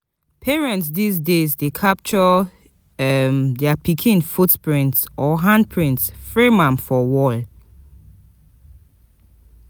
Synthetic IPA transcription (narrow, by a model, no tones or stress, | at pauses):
pʰɛɹɛ̃ntsdis̬dezdekʰap̚t͡ʃɔ | mdɛapʰikʰĩnfutpɹĩntsɔɦãnd̚pʰɹĩntsfɹemãmfɔwɔl